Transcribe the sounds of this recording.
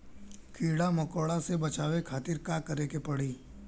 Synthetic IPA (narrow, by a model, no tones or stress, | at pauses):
kʰiːɽamɐkoːɽasebɐt͡ʃaːʋekʰaːt̪ɪɾkakəɾekepɐɽiː